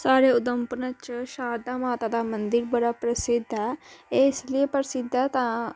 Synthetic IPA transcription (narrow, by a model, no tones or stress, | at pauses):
saːɾeːʊd̪əmpənət͡ʃʃaːɾd̪amaːt̪aːd̪aːmə̃nd̪ɪɾbəɽaːpɾəsɪd̪ʱaːeːsliepəɾsɪd̪ʱat̪ãː